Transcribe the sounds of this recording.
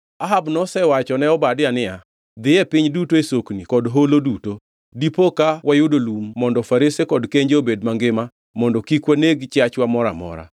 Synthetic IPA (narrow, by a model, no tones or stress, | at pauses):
aɦabnɔsɛwat͡ʃɔnɛɔbadɪjanɪa | d̪ɪɛpɪɲdutoesoknikɔdɦoloduto | dipokawʔajʊdolumːɔndɔfaɾisekɔdkeɲd͡ʒeobedmaŋɡɪma | mɔndɔkikwaneɡt͡ʃat͡ʃwamɔɾa̰mɔ̰ɾa̰